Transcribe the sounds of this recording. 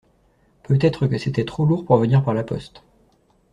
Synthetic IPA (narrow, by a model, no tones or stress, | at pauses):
pøt̪ɛt̪χəkəset̪ɛt̪χoluʁpuʁvəniʁpaʁlapɔ̰st̪